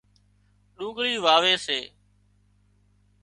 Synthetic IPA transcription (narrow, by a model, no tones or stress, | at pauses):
ɗũːɠɽiːʋaːʋeːseː